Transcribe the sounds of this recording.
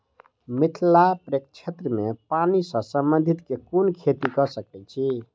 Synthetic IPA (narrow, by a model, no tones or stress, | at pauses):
mit̪ʰlapɾek̚t͡ʃʰet̪ɾəmepanisʌ̃sə̃mbənd̪ʱit̪kekunkʰet̪ikʌsəkɛt͡ʃʰi